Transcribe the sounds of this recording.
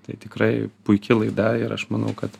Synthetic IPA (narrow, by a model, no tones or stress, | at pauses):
t̪ɐɪt̪ʲɪkɾɐɪpʊɪkʲɪlˠɐɪd̪ɐɪɾɐ̰ʃmɐnɐ̰ʊkɐt̪